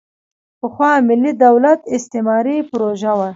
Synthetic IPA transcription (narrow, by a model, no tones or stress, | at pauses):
pəxwɑmɪlːid̪awlat̪ɪst̪ɪmɑɾipʊɾoʒawa